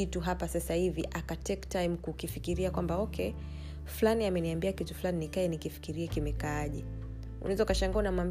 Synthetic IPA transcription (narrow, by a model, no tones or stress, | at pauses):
ituɦapasasahiviʔakatɛktajmkukifikiɾiakwambaɔkɛ | flaniamɛniambiakitu̥flaninikaɛnikifi̥kiɾiɛkimɛkaaʄɛ | ṵnaɛzaukaʃaŋɡaanamam